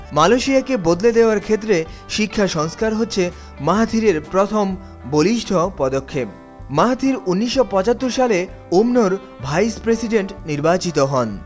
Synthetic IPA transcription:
maloʃiakebod̪led̪eoaɾkʰet̪ːɾeʃikʰːaʃɔŋskaɾɦotːɕʰe | maɦat̪ʰiɾeɾpɾot̪ʰom | boliʃʈʰopɔd̪okʰːep̚ | maɦat̪ʰiɾunːiʃːopɔt͡ɕat̪ːoɾʃale | omnoɾ | bʱajspɾesiɖeɳʈniɾbat͡ɕit̪oɦɔn

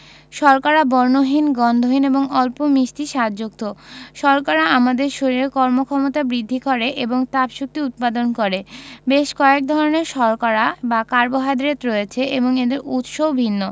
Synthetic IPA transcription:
ʃɔɾkaɾabɔɾnoɦinɡɔnd̪ʱoɦineboŋɔlpomiʃt̪iʃad̪d͡ʑok̚t̪oʃɔɾkaɾaamad̪eɾʃoɾiɾeɾkɔɾmokʰɔmot̪abɾid̪ʱːikɔɾeʔeboŋt̪apʃuk̚t̪iut̪̚pad̪onkɔɾebeʃkɔek̚d̪ʱɔɾoneɾʃɔɾkaɾabakaɾboɦad̪ɾet̪ɾojet͡ɕʰeʔeboŋed̪eɾut̪ʃowbʱinːo

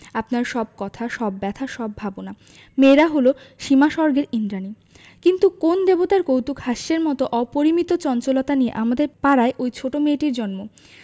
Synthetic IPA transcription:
apnaɾʃɔb̚kɔt̪ʰaʃɔbːɛt̪ʰaʃɔbːʱabona | meɾaɦolo | ʃimaʃɔɾɡeɾind̪ɾani | kint̪ukond̪ebot̪aɾkowt̪ukhaʃːeɾmɔt̪oʔɔpoɾimit̪ot͡ɕɔnt͡ɕolot̪aniḛʔamad̪eɾpaɾaeʔojt͡ɕʰoʈomeʈiɾd͡ʑɔnmo

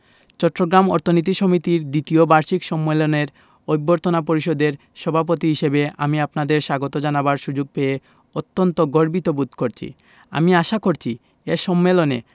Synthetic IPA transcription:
t͡ɕɔʈːɾoɡɾamɔ̰ɾt̪ʰonit̪̬iʃɔmit̪iɾd̪it̪iobaɾʃikʃɔmːeloneɾ | ojbːoɾt̪onapoɾiʃod̪eɾ | ʃɔbʱap̬ot̪iɦiʃebea̰miapnad̪eɾʃaɡot̪od͡ʑanabaɾʃud͡ʑoɡ̚pee | ot̪ːont̪oɡoɾbit̪obud̪ʱkoɾt͡ɕʰḭ | a̰miaʃakoɾt͡ɕʰi | eʃɔmːelone

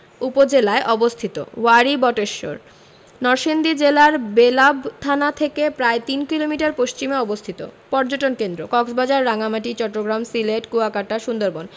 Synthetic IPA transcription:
upod͡ʑelaeʔɔbost̪ʰit̪o̰waɾibɔʈeʃːo̰ɾ | nɔɾʃend̪id͡ʑelaɾbelabt̪ʰanat̪ʰekepɾaet̪inkilomiʈaɾpost͡ɕimeɔbost̪ʰit̪o̰pɔɾd͡ʑoʈonkend̪ɾokɔksbad͡ʑaɾːaŋamaʈit͡ɕɔʈːoɡɾamsileʈkuakaʈaʃund̪oɾbon

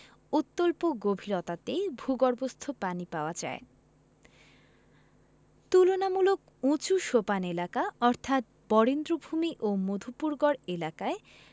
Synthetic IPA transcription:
ut̪ːolpoɡobʱiɾɔt̪at̪ejbʱuɡɔɾbost̪ʰopanipaoad͡ʑa̰e | t̪ulonamulok | ũt͡ɕuʃopanelakaɔɾt̪ʰat̪̚ | bɔɽend̪ɾobʱumiʔomod̪ʱupuɾɡɔɾelakae

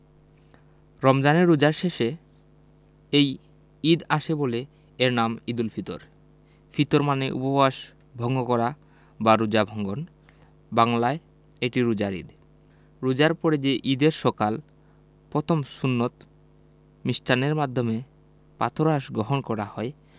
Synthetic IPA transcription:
ɾɔmd͡ʑaneɾːud͡ʑaɾʃeʃe | ej | id̪aʃebole | eɾnamid̪ulfʰit̪o̰ɾ | fit̪oɾmaneʔṵpobaʃ | bʱɔŋɡokɔɾa | baɾud͡ʑabʱɔŋɡon | baŋlae | eʈiɾud͡ʑaɾḭd̪ | ɾud͡ʑaɾpɔɾed͡ʑeʔid̪eɾʃɔkal | pɾot̪ʰomsunːot̪ | misʈaneɾmad̪ʱːome | pa̰t̪ʰoɾaʃɡɾoɦonkɔɾahɔe

